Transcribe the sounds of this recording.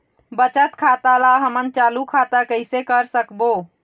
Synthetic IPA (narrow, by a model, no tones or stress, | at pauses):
bət͡ʃət̪kʰat̪alaɦəmənt͡ʃalukʰat̪akəɪsekəɾsəkbo